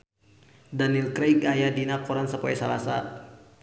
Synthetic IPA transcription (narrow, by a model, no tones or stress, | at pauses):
danilkɾekajadinakɔɾansəpaɛsalasa̰